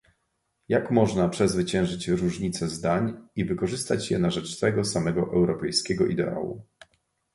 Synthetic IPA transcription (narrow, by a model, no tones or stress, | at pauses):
jakmɔʐnapʂɛzvɘt͡ɕɛ̃w̃ʐɘt͡ɕɾuʐɲit̪sɛzd̪aɲivɘkɔʐɘst̪at͡ɕjɛnaʐɛt͡ʂt̪ɛɡɔsamɛɡɔʔɛwɾɔpɛjskʲɛɡɔʔḭd̪ɛ̰ʔa̰wṵ